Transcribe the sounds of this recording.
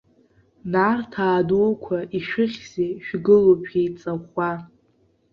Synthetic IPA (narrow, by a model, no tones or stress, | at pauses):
nartʰaːdoːkʷʰaʔiʃᶣɪχʲz̥eʃᶣɡɨlopʰejt͡sʼaχʷa